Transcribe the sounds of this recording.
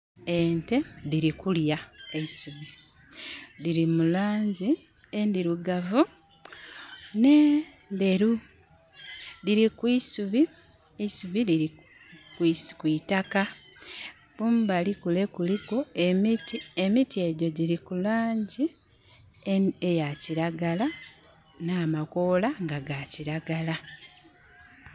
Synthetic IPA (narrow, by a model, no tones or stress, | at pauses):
e̞ːnte̞ðiɾikuljaeisuβi | ðiɾimulaːɲɟi | endiɾuɡavu | ne̞ | nde̞ɾu | diɾikwisuβi | eisuβiliɾi | kiskwitaka | kumbalikule̞kulikoemitiemitie̞ɟo̞ɟiɾikulaːɲɟi | ejaciɾaɡala | naːmako̞ːlaŋɡaɡaciɾaɡala